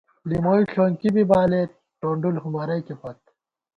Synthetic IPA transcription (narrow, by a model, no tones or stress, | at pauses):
limoːiɬʰoːŋkibibaːle | ʈoːɳɖulhumɐɾɐjkepɐt̪̚